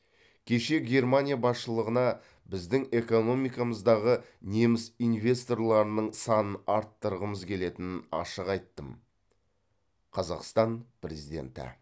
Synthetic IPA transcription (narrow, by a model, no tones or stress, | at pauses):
kʲʰe̞ʃe̞ɡʲe̞rmanʲijabɑsʃəlˠəʁənɑ | bɪzd̪ɪŋe̞ko̞no̞mijkɑməzd̪ɑʁə | ne̞mɪsijnvʲe̞st̪o̞rlˠɑɾənəɴsɑnənɑɾt̪ːəɾəʁəməzkʲʰe̞le̞t̪ɪnɪnɑ̰ʃəqɑjt̪ːəm | qʰɑzɑqst̪ɑnpɾʲezijd̪ʲe̞̰nt̪ɪ̰